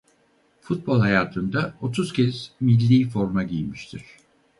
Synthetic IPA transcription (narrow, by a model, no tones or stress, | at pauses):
fut̪̚bo̞lˠhajaːt̪ʰɯnd̪ao̞t̪ʰuz̥cʰɛz̥milʲːiːfo̞ɾmaɟijmiʃt̪ʰiɾ̥